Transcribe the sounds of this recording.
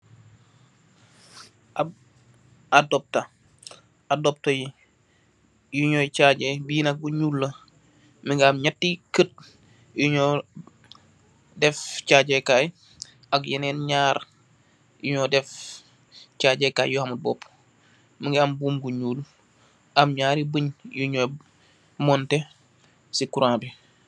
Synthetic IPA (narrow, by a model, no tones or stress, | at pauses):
ab | adɔp̚ta | adɔp̚toji | juɲɔjt͡ʃaɟɛbiinɐk̚ɡuɲuːlːə | miŋɡaːmɲatːikət̚ | juɲɔ | dɛft͡ʃaːɟekaːj | akjinɛnɲaːɾ | juɲɔdɛf | t͡ʃaːɟeka̰ːjjuhamut̚bɔːp | miŋɡaːmbuːmɡuɲuːl | ʔamɲaːɾibəɲjuɲoj | mɔnte | sikuɾãːbi